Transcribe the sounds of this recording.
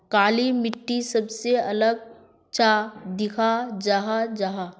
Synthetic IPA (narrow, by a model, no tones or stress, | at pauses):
kaːlimɪʈːisɐbseɐləɡ̚ | t͡ʃad̪ɪkʰad͡ʒaɦad͡ʒaɦa